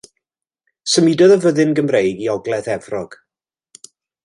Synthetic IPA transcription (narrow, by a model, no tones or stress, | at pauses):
səmidɔðəvəðɨnɡəmrejɡiɔɡlɛðɛvrɔɡ̥